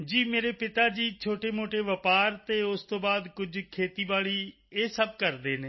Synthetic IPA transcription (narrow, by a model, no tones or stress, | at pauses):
d͡ʒiːmeːɾeːpɪt̪aːd͡ʒiːt͡ʃʰoːʈeːmoːʈeːʋəpaːɾt̪eːʊst̪õːbaːd̪kʊd͡ʒkʰeːt̪iːbaːɭiː | eːsəb̚kəɾd̪eːneː